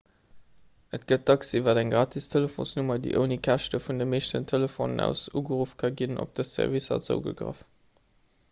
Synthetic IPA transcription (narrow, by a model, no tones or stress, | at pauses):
ʔətɡ̥ət̚d̥ɑksivɐdæŋɡʁaːtʰistʰeləfo̰nsnumɐdḭʔəʊnikʰæʃtəfundəmeɪʃtəntʰeləfo̰ːnənæ̰ʊsuːɡəʁuːfkʰɑɡinʔo̰p̚d̥əssæ̰ʁvisɐ̰t͡sə̰ʊɡə̰ɡʁə̰f